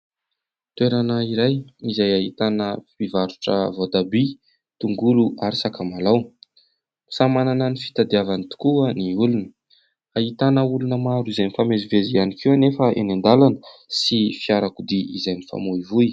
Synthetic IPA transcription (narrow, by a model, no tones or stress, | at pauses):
t̪ueɾanəiɾajizajaɦit̪anəpivaɾuʈ͡ʂə̰vod̪abi | t̪uŋɡuluʔaɾisakamalaw | i̥samanananifi̥t̪ad̪iavanit̪u̥kuəniulunə | aɦit̪anəulunəmaɾuizanifamezivezianikewanefəḛnand̪alanə̥sifiaɾakud̪iizajnifa̰moivuj